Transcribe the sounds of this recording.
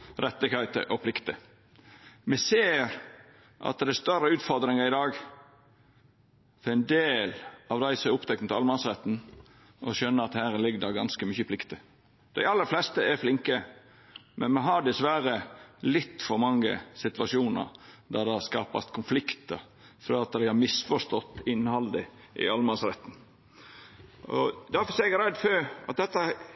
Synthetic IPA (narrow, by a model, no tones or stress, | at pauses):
ɾɛt̪ːəkʰɑɪt̪ə̰ʔɔpʰlɪkt̪ə | mɛseːɾ | ʔɑ̰t̪d̪æst̪œɾəʉːt̪fɔɾd̪ɾɪŋəɾɪd̪ɑːɡ | fɔɾæɪnd̪eːlɑʋd̪æɪsɔmæɾʊpt̪ʰɛknət̪ʰɑlmɑnsɾɛt̪ːn̩ | ʔɔʃœnːəɾɑt̪hæːɾlɪɡd̪ɑɡɑnskəmʏçəpʰlɪkt̪ə | d̪̥æɪɑlːəɾflɛst̪əæɾflɪŋkə | mʔɛnmɛɦɑɖɪsʋæɾəlɪt̪ːfɔɾmɑŋːə̰sɪt̪ʋɑʂuːnə̰ɾd̪ɑɾd̪ɑskɑːpɑ̰st̪kʰʊnflɪkt̪əɾ | fɾɑɑt̪̚d̪æɪhɑɾmɪsfɔʂt̪ɔt̪ːɪnːhɑld̪ɪ | ʔɪ̰ɑlmɑnsɾɛt̪ːn̩ | ʔɔ̰d̪æɾfɔsɛːɾɛɡɾɛd̪ːføɾɑ̰t̪̚d̪ɛt̪ːə